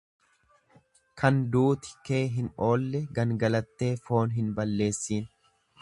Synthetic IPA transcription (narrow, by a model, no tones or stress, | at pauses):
kɐnd̪uːt̪ɪ̥ke̞ːɦɪno̞ːlːɛɡɐnɡɐlɐt̪ːe̞ːfo̞ːnɦɪnbɐlːe̞ːsːiːn